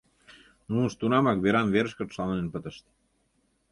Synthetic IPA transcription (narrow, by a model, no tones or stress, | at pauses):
nunʃt̪unɑmɑkβeɾɑmveɾəʃkət̪ʃɑlnenpət̪əʃt̪